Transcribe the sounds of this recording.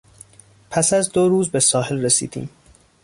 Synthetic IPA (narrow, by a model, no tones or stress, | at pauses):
pʰæsæzd̪oɾuːzbe̞sɒːɦe̞lresḭːd̪̥ḭːm